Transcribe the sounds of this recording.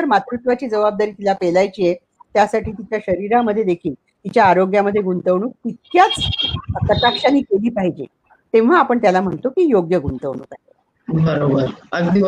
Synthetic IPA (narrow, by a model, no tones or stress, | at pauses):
əɾmat̪ɾut̪ʋat͡ɕiːd͡zəʋab̚d̪aɾiːt̪ilapelajt͡ɕiːje | t̪jasaʈiːt̪it͡ɕjaɕəɾiɾaməd̪ʱːjed̪ekʰiːl | t̪it͡ɕjaːɾoɡjaməd̪ʱːjeɡunt̪əʋɳ̃uːk̚pit̪̚ʰjat͡sk̪ət̪akʂaniːkeliːpaɦid͡ʑḭ | t̪ẽʋ̤aːpəɳt̪jalam̤əɳt̪okijoɡjəɡunt̪əʋɳṵkae | bəɾobəɾəɡd̪i